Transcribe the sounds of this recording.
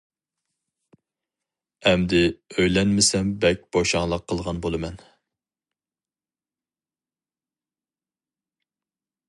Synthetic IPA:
ɛmd̪ɪøjlɛnmɪsɛmbɛk̚ʲb̥oʃɑŋlˠəqʰːəlˠʁɑnbolˠɨmɛn

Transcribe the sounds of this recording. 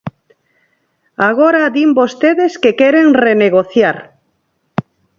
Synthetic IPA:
aɣ̞oɾaðimbost̪eðeskekeɾeŋreneɣ̞oθjaɾ

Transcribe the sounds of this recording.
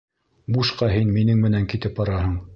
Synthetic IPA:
muʃqɑɦinminɘŋmɘ̆næŋkit̪ɘp̚bɑɾɑɦɤɴ

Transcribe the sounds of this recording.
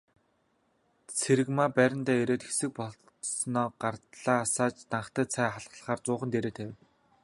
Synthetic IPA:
t͡sʰeɾɘ̆ɣmaːpæɾʲɪ̆nt̪æːeɾeːt̪xe̥sɘ̆k̚pɔ | snɔːɢart̪ɮaːsaːt͡ɕt̪aɴχt̪æːt͡sʰæːχaɮʁə̆ɮ̆χaːrt͡sʊːχə̆nt̪eɾeːt̪ʰæːw

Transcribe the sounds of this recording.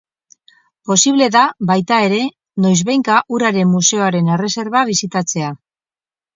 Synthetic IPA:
po̞siβ̞le̞ðaβajt̪ae̞ɾe̞ | no̞jzβejŋkaʔuɾaɾe̞mːuse̞o̞aɾe̞ne̞re̞se̞ɾβaβ̞isit̪at͡se̞a

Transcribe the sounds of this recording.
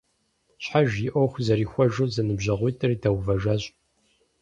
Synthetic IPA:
ɕħaʒjiʔʷɔwxʷzɐɾiːxʷɐʒɨwzɐnɨbʒɐʁʷʊːtʰʼɐridɐwvɐʒaːɕʼ

